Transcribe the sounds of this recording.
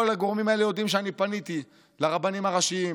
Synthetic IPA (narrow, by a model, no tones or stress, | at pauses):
olaɡo̞ʁmimae̞lejo̞d̪imʃeanipanit̪i | laʁabanimaʁaʃiim